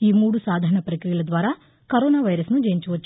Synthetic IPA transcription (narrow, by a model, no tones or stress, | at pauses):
iːmuːɽusaːd̪ʱɐːɐɳɐpɾɐkɾijɐɭɐd̪ʋaːɾɐ | kɐɾoːnaːʋɐjɾɐsnud͡ʒɐjɲt͡ʃuʋɐt͡ʃː